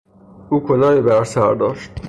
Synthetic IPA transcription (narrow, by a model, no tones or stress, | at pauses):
uːkʰonɒːjiːbæɾsæɾd̪ɒːʃt̪̚